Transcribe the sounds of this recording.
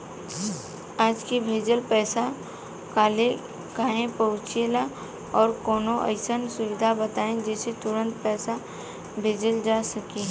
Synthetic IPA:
aːd͡ʒkibʱeːd͡ʒəlpɛːsa | kaːle | kaːɦẽpɐʊt͡ʃela | ɔːɾkɔːnõʔə̰ɪsənsʊʋɪd̪ʱabɐt̪aːẽd͡ʒɛːset̪ʊɾə̃nt̪̚pɛːsa | bʱeːd͡ʒəld͡ʒaːsɐkiɦɛː

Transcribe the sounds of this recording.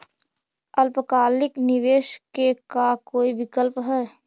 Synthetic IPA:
əlpəkaːlɪknɪʋeːʃkekakoːibɪkəlpɦɛː

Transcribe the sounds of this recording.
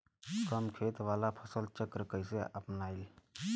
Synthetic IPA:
kəmkʰet̪ʋalapʰəsəlt͡ʃəkɾəkəjseə̰pnajl

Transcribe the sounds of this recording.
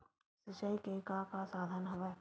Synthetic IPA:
sɪt͡ʃəikekakasaːd̪ʱənɦɐʋɛ

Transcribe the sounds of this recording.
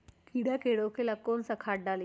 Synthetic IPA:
kiɽakeɽokʰelakːonsəkʰaʈ̚ɖali

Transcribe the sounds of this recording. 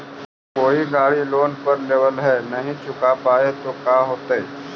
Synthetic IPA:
koːiɡaːɽiloːnpɐɾleːʋəlɦɛːnɐɦĩt͡ʃʰʊkapaːet̪okaːɦoːt̪aɛː

